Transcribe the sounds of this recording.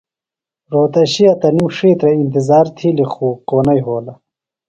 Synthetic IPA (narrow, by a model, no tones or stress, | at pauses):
ɾoːt̪ɐɕijɐt̪ɐnimʂiːt̪ɾɐint̪izaːɾt̪ʰilixuːkoːnɐjɦoːlɐ